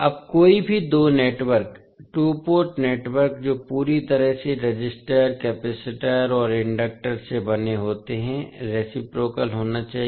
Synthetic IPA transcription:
ɐb̚koːibʱid̪oːneːʈwəɾk | ʈuːpoːɾʈneːʈwəɾk̚d͡ʒoːpuːɾit̪ɐɾəɦseɾed͡ʒɪsʈəɾkɛːpɛːsɪʈəɾɔːɾɪ̃ɳɖək̚ʈəɾsebɐneɦoːt̪eɦɛ̃ɾeːsɪpɾoːkəlɦoːnat͡ʃaːɦi

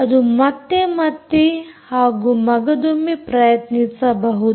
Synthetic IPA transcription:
ɐd̪umɐt̪ːemɐt̪ːihaːɡumɐɡɐd̪umepɾɐjɐt̪nitsabɐɦut̪

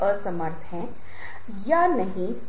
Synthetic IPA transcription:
əsɐməɾt̪ʰɦɛ̃ː | janɐɦĩ

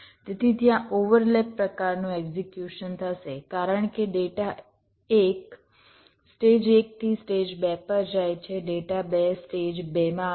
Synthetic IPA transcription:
t̪et̪ʰit̪jãʔoʋəɾlepːɾəkaɾnũɛɡzekjuʃənt̪ʰəʃekaɾəɳkeɖeʈa | ek | sʈed͡ʒek̚t̪ʰisʈed͡ʒbɛpəɾd͡ʒajt͡ʃʰeɖeʈabɛsʈed͡ʒbɛmã

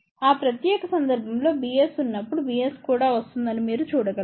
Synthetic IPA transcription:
aːpɾɐt̪jɛːkɐsɐnd̪ɐɾbʱɐmlo̞ːbijesunːɐpːuɽubijeskuːɽaːʋɐst̪und̪ɐnimiːɾut͡ʃuːɽɐɡɐ

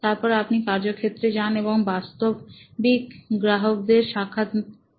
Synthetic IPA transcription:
t̪aɾpɔɾeapnikaɾd͡ʑokʰːet̪ːɾed͡ʑaneboŋbast̪obbikɡɾaɦok̚d̪eɾʃakʰːat̪

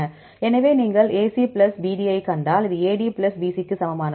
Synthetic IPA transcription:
ɐ | ɛnɐʋeːniːŋɡɐɭeːsiplɐsbiːɖiɐɪkɐɳɖaːlɪðɯeːɽiːplɐsbiːsikːɯsɐmɐmaːnɐ

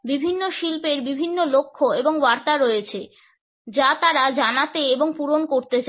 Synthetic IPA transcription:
bibʱinːoʃilpeɾbibʱinːolokʰːoeboŋbaɾt̪aɾɔjet͡ɕʰe | d͡ʑat̪aɾad͡ʑanat̪eeboŋpuɾonkoɾt̪et͡ɕa

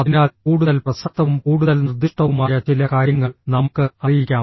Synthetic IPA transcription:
ɐðinaːlkuːɽuðɐlprɐsɐt̪ːɐʋumkuːɽuðɐlnird̪ʱːiʂʈɐʋumaːjɐt͡ɕilɐkaːɾjɐŋːɐɭnɐmukːɨɐrijikʲːaːm

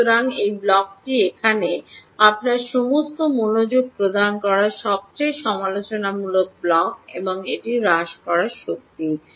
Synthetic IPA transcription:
oɾaŋejblɔk̚ʈiekʰaneapnaɾʃomost̪omonod͡ʑoɡ̚pɾod̪ankɔɾaɾʃɔb̚t͡ɕejʃɔmalot͡ɕonamulok̚blɔkḛboŋeʈiɾaʃkɔɾaɾʃok̚t̪i

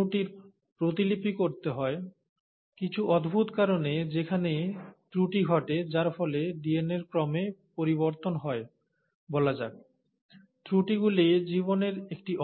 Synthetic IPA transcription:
uʈiɾ | pɾot̪ilipikoɾt̪eɦɔe | kit͡ɕʰuʔɔd̪ʱbʱut̪kaɾoned͡ʑekʰanet̪ɾuʈiɡʱɔʈed͡ʑaɾfɔleɖieneɾkɾɔmepoɾiβoɾt̪onɦɔe | bɔlad͡ʑaɡ | t̪ɾuʈiɡulid͡ʑiβoneɾekʈiʔ

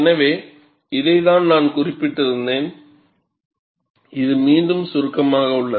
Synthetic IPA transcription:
ɛnɐʋeː | ɪðɐɪðaːnnaːnkʊrɪpːɪʈːɪɾɯnd̪eːn | ɪðɯmiːndɯmsʊɾɯkːɐmaːɣɐʊɭːɐ

